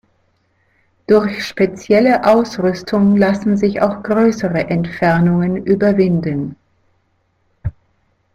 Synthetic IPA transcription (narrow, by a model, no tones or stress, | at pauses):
d̥ʊɐçʃpet͡sjɛləʔaʊsʁʏstʰʊŋlasn̩zɪça̰ʊxɡ̥ʁøːsəʁəʔɛntfɛɐnʊŋənʔyːbɐvɪndən